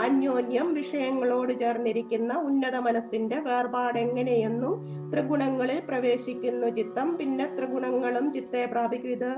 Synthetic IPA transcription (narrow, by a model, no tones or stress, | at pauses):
ɐnjo̞ːnjɐmʋiʂɐjɐŋːɐɭo̞ːɽɨt͡ɕe̞ːrniɾikʲːunːɐunːɐðɐmɐnɐsːinde̞ʋe̞ːrbaːɽe̞ŋːɐne̞je̞nːum | t̪rɨɡuɳɐŋːɐɭilprɐʋe̞ːɕikʲːunːɐt͡ɕit̪ːɐmpinːe̞t̪rɨɡuɳɐŋːɐɭumt͡ɕit̪ːepraːbʱikɾid̪ɐ